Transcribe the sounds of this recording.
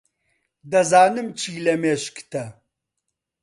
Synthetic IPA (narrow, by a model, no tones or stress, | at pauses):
d̪ɐzaːnɨmt͡ʃʰiːlɐmeːʃkt̪ʰɐ